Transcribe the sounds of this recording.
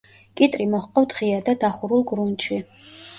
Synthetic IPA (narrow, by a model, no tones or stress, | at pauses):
kʼit̪ʼɾimɔχqʼɔvd̪ʁiad̪ad̪aχuɾulˠɡɾunt͡ʃʰi